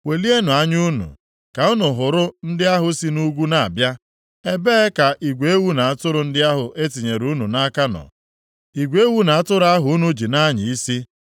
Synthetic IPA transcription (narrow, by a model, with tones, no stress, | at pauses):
we˨li˦e˦nʊ˨a˦ɲu˦nṵ˨ | ka˨ʊ˦nʊ˨ɦʊ˨ɾʊ˦n̩˦dɪ˦a˦ɦʊ˨si˦nu˦ɡʷu˦na˨a̰˨bja˦ | e˦beː˦ka˨ʔi˨ɡʷe˨e˦wu˦na˨a˦˨tʊ˦ɾʊ˨n̩˦dɪ˦a˦ɦʊ˨ʔe˦ti˨ɲe˨ɾu˨˦nu˨na˦ka˦nɔ̰˨ | i˨ɡʷe˦wu˦na˨a˦tʊ˦ɾa˦ɦʊ˨u˦nu˦d͡ʒi˨na˦ɲɪ˨i˦si˦